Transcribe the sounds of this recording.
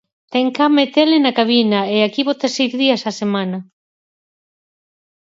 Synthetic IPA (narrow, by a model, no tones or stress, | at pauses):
t̪ɛŋkamet̪elɪnakaβ̞inaeakiβot̪asejzðiɐsasemanɐ